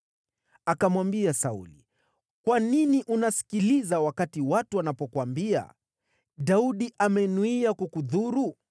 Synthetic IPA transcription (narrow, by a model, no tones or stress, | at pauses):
akamwambiasaṵli | kwaniniʔunasi̥kilizawakatiwatuwanapɔkwambia̰ | ɗauɗiʔamɛnuiakukuðuɾu